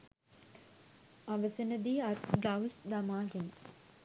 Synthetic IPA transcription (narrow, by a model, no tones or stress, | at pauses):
aʋəsenəd̪iːat̪ɡawsd̪amaːɡenə